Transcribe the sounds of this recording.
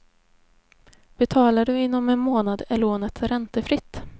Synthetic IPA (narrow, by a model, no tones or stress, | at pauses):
b̥ɛt̪ʰɑːlaɖɵɪnːɔmɛnmoːnad̪ɛloːnət̪ɾɛnt̪əfɾɪt̪ː